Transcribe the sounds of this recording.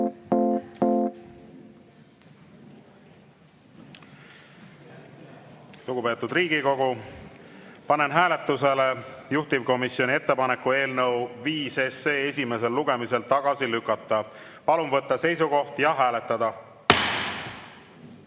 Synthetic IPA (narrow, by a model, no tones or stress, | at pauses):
luɡ̥upe̞ːt̪ud̪riːɡiko̞ɡu | pɑne̞nɦæːle̞t̪ːˑuse̞lejuht̪ivko̞misjo̞nʲie̞t̪ːe̞pɑnekːue̞ːlnɤwviːse̞se̞ːesʲime̞se̞lːuɡ̥e̞mise̞lt̪ɑɡ̥ɑsilykːˑɑt̪ːˑɑ | pɑlumvɤt̪ˑːɑse̞jsuɡo̞ht̪jɑɦæːle̞t̪ːˑɑd̪̥ɑ